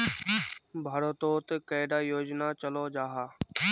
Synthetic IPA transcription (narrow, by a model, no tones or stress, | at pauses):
bʱaːɾət̪oːt̪kəːɪɖ̪aːjoːd͡ʒnat͡ʃɐlod͡ʒaːɦaː